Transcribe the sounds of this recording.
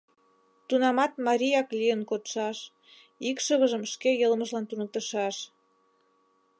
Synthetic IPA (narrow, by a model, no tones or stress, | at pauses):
t̪unɑmɑt̪mɑɾʲijɑklijənkot̪ʃɑʃ | ikʃəβəʒəmʃkejəlməʒlɑnt̪unə̆k̚t̪əʃɑʃ